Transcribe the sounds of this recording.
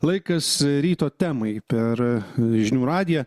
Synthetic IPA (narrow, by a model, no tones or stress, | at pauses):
lˠɐɪkɐsɾʲiːt̪oːt̪ʲæːmɐɪpʲɛɾʒʲɪnʲuːɾɑːd̪ʲɪjɛ